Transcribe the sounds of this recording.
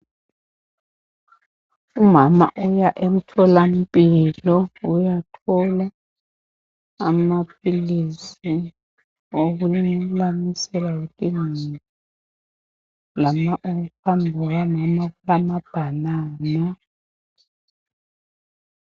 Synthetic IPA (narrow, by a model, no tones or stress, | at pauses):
umama̰ʔɔjaʔem̩tʰɔlam̩pʼilɔujatʰɔla | map̚ʰilisi | oɣulilamisɛlajekʼinii | lamaʔoɣuhambʱɛwamamakulamab̥ʱanaːna